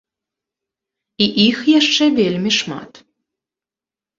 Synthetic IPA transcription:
iʔixjæʃt͡ʃɛvʲelʲmʲiʃmɑ̰t̪

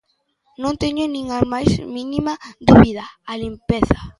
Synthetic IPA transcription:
nõnt̪eɲonĩŋamajzminimaðuβiðaːlimpeθa

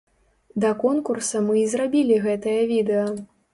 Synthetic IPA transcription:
d̪ɐkɔnkursɐmɨizrabʲilʲiɣɛt̪ɐjɐvʲid̪ɛjɐ

